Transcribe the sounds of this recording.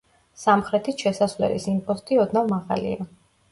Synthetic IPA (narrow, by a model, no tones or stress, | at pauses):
samχɾɛt̪ʰisʃɛsasvlɛ̰lḭsimpʰʼɔst̪ʼiɔd̪navˠmaʁa̰lḭa